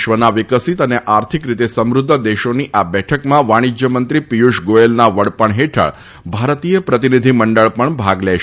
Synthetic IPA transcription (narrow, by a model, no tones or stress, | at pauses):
ʃʋənaʋɪkəsit̪əneʔaɾt̪ʰikɾit̪esəmɾʊd̪ʱːəd̪eʃoniʔabɛʈʰəkmãʋaɽ̃id͡ʒjəmənt̪ɾipijuʃɡoelnaʋəɽpəɳɦeʈʰə̰ɭ | bʱaɾt̪ijəpɾət̪inid̪ʱiməɳɖəɭpəɳbʱaɡlɛʃ